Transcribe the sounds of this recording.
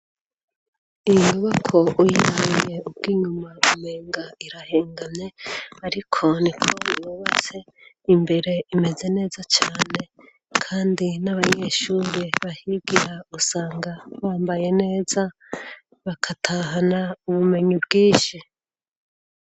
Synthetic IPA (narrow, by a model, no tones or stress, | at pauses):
iŋɡoβakʰo̞ʔujimije̞ub̚ɡ̥iːɲumaume̞ːŋɡaiɾaheːŋɡamɲe̞aɾikʰo̞nikʰoiɾoβase̞ | imbe̞ɾe̞ime̞ze̞ne̞ːzat͡ʃaːne̞ | kʰaːndinaβaɲe̞ːʃuːɾeβahibɡiɾausaːŋɡaβaːmbaje̞ne̞ːza | βakʰatʰaːɦanauβume̞ɲibɡiːʃi